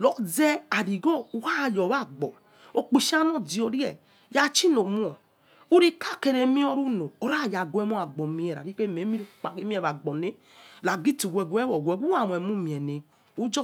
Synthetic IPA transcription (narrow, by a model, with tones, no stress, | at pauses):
lɔ˨zɛ˦a˨ɾi˨ɡɔ˦u˦ha˦˨jɔ˨βa˦˨ɡ͡bɔ˨ | o˨k͡pi˨ʃa˦nɔ˦˨di˨ɔ˨ɾi˦ɛ̰˨ | ja˦t͡ʃi˦no˨mu˦ɔ˨ | u˦ɾi˦ka˦˨kɛ˧ɾe˨mĩ˦ɔ˧ɾu˦no˨o˨ɾa˦˨ja˨ɡʷɛ˨˦mu˦a˨ɡ͡bɔ˨mĩ˨˦ɛ˨ɾa̰˨ɾi˦ke˦˨me˨˦mi˦ɾk͡pa˨ke˦mĩ˦ɛ˨βa˨ɡ͡bɔ˨ne˦ | la˨ɡi˦tu˨ɡʷɛ˨ɡu˨˦ɛ˦wɔ˨ɡʷɛ˨˦ɡu˦a˨m˨ɛ˨mu˦mĩ˨ɛ˨ne˨ | u˦d͡ʒɔ˦